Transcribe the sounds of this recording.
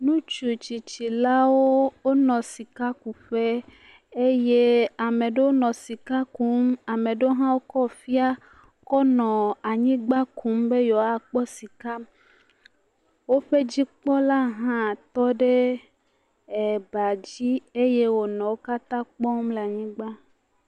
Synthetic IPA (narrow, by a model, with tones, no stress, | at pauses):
nũ˦t͡ʃu˨t͡ɕi˨t͡ɕi˨la˦wo˦wo˦nɔ̃˨si˨ka˦ku˨ɸe˦ | e˦je˦a˨mẽ˨ɖe˦wo˦nɔ̃˨si˨ka˦ku˨˦ma˨mẽ˨ɖe˦wo˦ɦã˦wo˦kɔ˦fi˦a˦ | kɔ˦nɔ̃˨a˨ɲĩ˦ɡ͡ba˦ku˨˦mbe˦jɔ˨a˦k͡pɔ˦si˨ka˦m | wo˦ɸe˦d͡ʑi˦k͡pɔ˦la˦ɦã˦˨t̪ɔ˦ɖe˦ | e˨ba˨d͡ʑi˦e˦je˦wo˦nɔ̃˨wo˦ka˦t̪ã˦k͡pɔ˦mle˨a˨ɲĩ˦ɡ͡ba˦